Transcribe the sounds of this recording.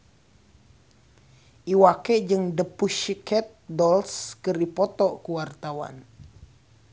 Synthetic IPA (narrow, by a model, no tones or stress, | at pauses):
ʔiwakɛd͡ʒɨŋdəpuʃikɛt̪̚dɔlskɨripɔt̪ɔkuwart̪awa̰n